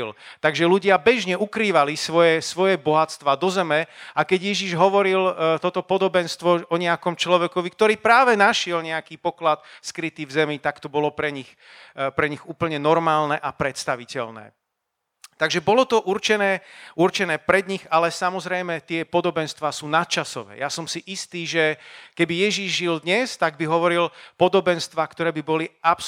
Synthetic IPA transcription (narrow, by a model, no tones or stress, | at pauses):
lt̪aɡʒɛluɟɪabɛʒɲɛʔukɾiːʋalisʋɔjɛsʋɔjɛbɔɦat̪t͡st̪ʋaːd̪ɔzɛmɛakɛɟjɛʒiʒɦɔʋɔɾilt̪ɔt̪ɔpɔd̪ɔbɛnst̪ʋɔɔɲɛakɔmt͡ʃlɔʋɛkɔʋik̚t̪ɔɾiːpɾaːʋɛnaʃɪɛlɲɛakiːpɔklat̪skɾit̪iːvzɛmit̪akt̪ɔbɔlɔpɾɛɲix | pɾɛɲiɣuːpl̩ɲɛnɔɾmaːlnɛʔapɾɛt̪st̪aʋicɛʎnɛ̰ː | t̪aɡʒɛbɔlɔt̪ɔʔuɾt͡ʃɛnɛːuɾt͡ʃɛnɛːpɾɛd̪ɲixalɛsamɔzɾɛjmɛt̪ɪɛpɔd̪ɔbɛnst̪ʋaːsuːnat̪̚t͡ʃasɔʋɛ̰ːjasɔmsiʔist̪iːʒɛkɛbijɛʒiʒʒild̪ɲɛst̪aɡbiɦɔʋɔɾilpɔd̪ɔbɛnst̪ʋaːkt̪ɔɾɛːbibɔliʔaps